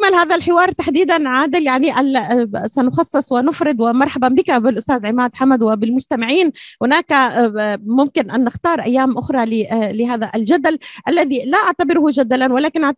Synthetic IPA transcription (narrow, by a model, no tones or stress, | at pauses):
manhaːðalħɪwɑːɾˤt̪aħd̪iːd̪anʕaːd̪ɪljaʕniʔalsanʊxɑsˤːɨsˤwɪnʊfɾɪd̪wɪmɑɾˤħababɪkabɪlʔʊst̪aːzʕɪmaːd̪ħamad̪wɪbɪlmʊd͡ʒt̪amɪʕiːnhʊnaːka | mʊmkɪnʔanːɪxt̪ɑːɾˤʔajːaːmʔʊxɾˤɑlɪlɪɦaːðaʔald͡ʒad̪alʔalːaðilaʔaʕt̪abɪɾʊhʊʒad̪alanwalaːkɪnʔa